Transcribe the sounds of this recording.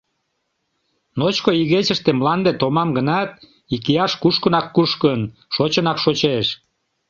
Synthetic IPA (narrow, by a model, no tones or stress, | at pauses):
not͡ɕkoiɣet͡ɕəʃt̪emlɑnd̪et̪omɑmɡənɑt̪̚ | ikiɑʃkuʃkənɑkːuʃkənʃot͡ɕənɑkʃot͡ɕeʃ